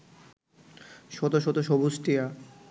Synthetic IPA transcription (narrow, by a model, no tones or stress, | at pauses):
ʃɔt̪oʃɔt̪oʃɔbusʈia